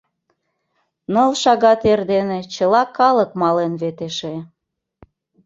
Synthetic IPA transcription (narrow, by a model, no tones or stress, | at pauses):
nolʃɑɣɑt̪erd̪enet͡ɕəlɑkɑlək̚mɑlenβet̪eʃe